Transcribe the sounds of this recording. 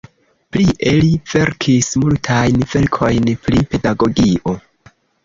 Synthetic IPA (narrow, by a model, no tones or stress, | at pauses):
pliʔeliv̥e̞ɾkʰismultʰajnv̥e̞lkʰo̞jnpɾipe̞daɡo̞ɡiʔo̞